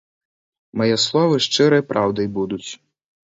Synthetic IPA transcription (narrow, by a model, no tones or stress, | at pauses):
mɐjɛslˠɔvɨʂt͡ʂɨɾɐjpɾʔawd̪ɐjbud̪ut͡sʲ